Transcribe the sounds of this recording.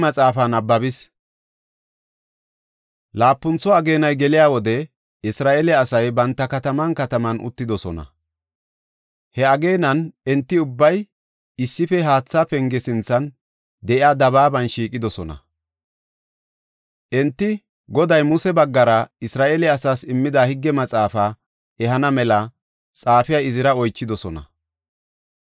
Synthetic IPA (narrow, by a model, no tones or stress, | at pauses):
mɐt͡sʼaːfɐnɐbːɐbɪs | laːpːʊnt͡sːɔɐɡeːnɐjɡɛlɪjaːwɔd̪ɛ | ɪsɾaːʔɛlɛɐsɐjbɐnt̪ːɐkɐt̪ɐmɐnkɐt̪ɐmɐnʔʊ̰t̪ːɪd̪ɔsɔ̰nɐ̰ | hɛɐɡe̞ːnɐnɛnt̪ːɪʊbːɐj | ɪsːɪfɛɦaːt͡sːapɛŋɡɛsɪnt͡sːɐn | d̪ɛʔɪɐd̪ɐβaːbɐnʃiːkʼɪd̪ɔsɔnɐ̰ | ʔɛnt̪ːɪ | ɡɔd̪ɐjmʊsɛbɐɡːɐɾɐɪsɾaːʔeːlɛɐsaːsɪmːɪd̪ahɪɡːɛmɐt͡sʼaːfa | ɛɦɐnɐmɛlɐ | t͡sʼaːfɪjɐɪzɪɾɐɔjt͡ʃːɪd̪ɔsɔnɐ̰